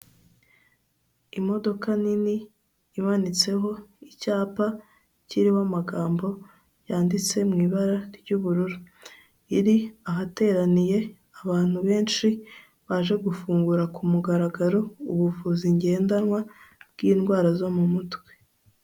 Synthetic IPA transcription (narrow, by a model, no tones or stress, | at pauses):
imo̞do̞kaniniː | manit͡se̞ɦo̞icaːpa | ciɾiwamaɡaːmbo̞ | jaːndit͡se̞mŋiːβaɾaɾɟuβuɾuɾu | iɾiaɦate̞ːɾanije̞ | aβaːn̥huβe̞ːnʃi | βaːʒe̞ɡufuːŋɡuɾakumuɡaɾaɡaɾo̞uβuvuziɲɟe̞ːndanŋwabɡiːnɡwaːɾazo̞mumutwe̞̥